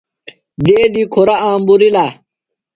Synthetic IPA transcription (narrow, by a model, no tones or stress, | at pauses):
d̪eːd̪ikʰoɾaãːmbuɾila